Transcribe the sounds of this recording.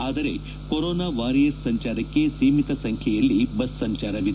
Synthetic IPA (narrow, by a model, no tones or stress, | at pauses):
aːd̪ɐɾe̞̰ | koɾoːnaːʋaːɾijɐsːɐɲt͡ʃaːɾɐkːe̞siːmit̪ɐsɐŋkʰɛjɐlːibɐsːɐɲt͡ʃaːɾɐʋid̪e